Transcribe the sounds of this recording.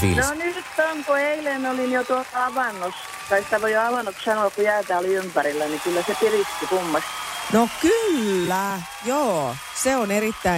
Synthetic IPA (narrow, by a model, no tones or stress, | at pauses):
sḭnonyt̪ːoŋkueilenolinjot̪uot̪ɑɑʋɑnːos | k̪ɑist̪ækojoɑʋɑnːokssɑnoːkkujæːt̪æːoliympæɾilːænikylːæsepirist̪ːikumːɑst̪nokylːæ | joː | seonerit̪ːæi